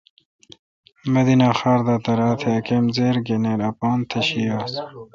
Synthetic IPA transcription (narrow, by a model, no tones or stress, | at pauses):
mɐd̪inaːxaːɾd̪aːt̪ɐɾaːt̪ʰeɐkemzeːɾɡeneːɾɐpɑːnt̪ʰɐɕijaːs